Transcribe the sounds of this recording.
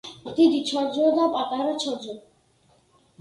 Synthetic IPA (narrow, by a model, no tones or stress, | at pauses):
t̪id̪it͡ɕʰɔɾd͡ʑod̪apat̪aɾat͡ɕʰɔɾd͡ʑo